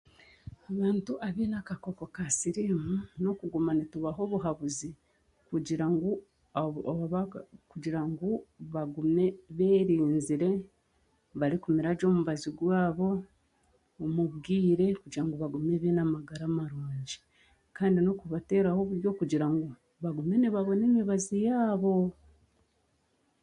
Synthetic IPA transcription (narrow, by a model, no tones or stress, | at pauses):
aβaːntuʔaβeːnakako̞kokasiɾimuno̞kuɡumanituβaɦo̞βuɦaβuzi | kuɟiɾaŋɡo | kuɟiɾaŋɡuβaɡume̞βeːɾiːnziɾe̞ | βaɾikumiɾaɟo̞ːmuβaziɡwaːβo̞ː | muβɡiːɾe̞kuɟiɾaŋɡoβaɡumeβenamaɡaɾaːmaɾuːɲɟi̥ | kaːndino̞kuβate̞ːɾahoβuɾjo̞kuɟiɾaŋɡo | βaɡume̞niβaβo̞neɲiβazijaːβo̞